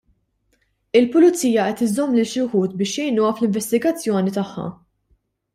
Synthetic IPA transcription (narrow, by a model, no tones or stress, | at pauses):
ɪlpʊlʊt͡sːiːjɐʔɛt̪ɪzɔmːlɪlʃɪħuːt̪bɪːʃjɛjnuːɐflɪɱvɛst̪ɪɡɐt͡sːjɔːnit̪ɐħːɐ̰